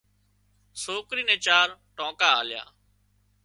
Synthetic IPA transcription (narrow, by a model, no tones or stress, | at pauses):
soːkɾiːnẽːt͡ʃaːɾʈõːkaːa̰ːlja̰ː